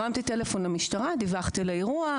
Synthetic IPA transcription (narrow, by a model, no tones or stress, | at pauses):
amt̪ite̞lefo̞nlamiʃtaʁad̪ivaχt̪ileiʁua